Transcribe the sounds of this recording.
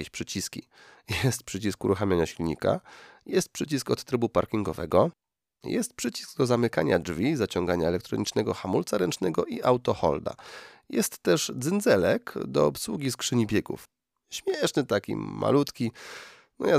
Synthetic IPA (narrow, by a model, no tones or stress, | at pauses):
eɕpʂɘt͡ɕiskʲḭ | jɛst̪̚pʂɘt͡ɕiskuɾuxamʲjaɲaɕilɲḭka̰jɛst̪̚pʂɘt͡ɕiskɔt̪ːɾɘbupa̰ɾkʲiŋɡɔvɛ̰ɡɔ | jɛ̰st̪̚pʂɘt͡ɕi̥sɡ̚d̪ɔzamɘkaɲadʐvʲizat͡ɕɔŋɡaɲaɛlɛkt̪ɾɔɲit͡ʂnɛɡɔxamult̪saɾɛnt͡ʂnɛɡɔʔiʔawt̪ɔxɔ̰ld̪a̰jɛst̪ːɛʐd̪zɘnd̪zɛlɛkd̪ɔ̰ɔpswuɡʲiskʂɘɲibʲjɛɡṵf | ɕmʲjɛʂnɘt̪akʲḭma̰lut̪kʲi | nɔja